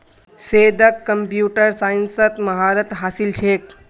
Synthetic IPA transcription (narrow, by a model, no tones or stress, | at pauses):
seːd̪əkːəmpjuːʈəɾsaːinsət̪mɐɦaːɾət̪ɦaːsilt͡ʃʰeːk̚